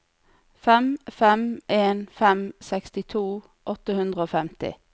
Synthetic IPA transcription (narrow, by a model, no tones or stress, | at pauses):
fɛmfɛmʔeːnfɛmsɛkst̪ɪt̪ʰuː | ʔɔt̪əhʉnd̪ʁəoːfɛmt̪ɪ̰